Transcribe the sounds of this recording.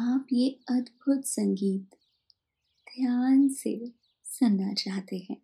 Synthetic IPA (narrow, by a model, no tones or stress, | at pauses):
aːpjeɐd̪bʱʊt̪sɐ̃ŋɡiːt̪ | d̪ʱjaːnsḛ | sɐnːat͡ʃaːɦt̪eɦɛ̃ː